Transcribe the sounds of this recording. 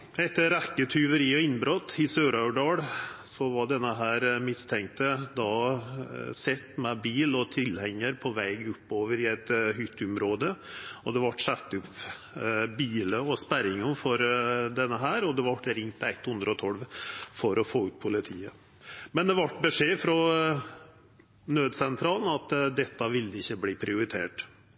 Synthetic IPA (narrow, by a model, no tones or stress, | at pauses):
ɛt̪ːəɾækːət̪ʰʏʋəɾiːɔɪnbɾot̪ːɪsøːɾɑʉɖɑːɽsɔʋɑɖɛnːəɦæːɾmɪst̪ʰɛŋt̪əd̪ɑ | sɛt̪ːmɛbiːlɔt̪ʰɪlhɛŋːəɾpʰɔʋæɪɡʊpːoːʋəɾɪæɪt̪hʏt̪ːʉmɾoːd̪əɔd̪ɛʋɑʈsɛt̪ːʉp | biːləɔspæɾɪŋənfɔɾd̪ɛnːəɦæːɾɔd̪ɛʋɑʈɾɪŋt̪æɪt̪ːhʉnd̪ɾəɔt̪ʰɔlʋfɔɾɔfoːʉːt̪̚pʰʊlɪt̪ʰiːə | mɛnd̪ɛʋɑʈbəʂeːfɾɔ | nøːd̪sɛnt̪ʰɾɑːln̩ɑt̪d̪ɛt̪ːɑʋɪlːəɪçːəbliːpʰɾɪʊɾɪt̪ʰḛːʈ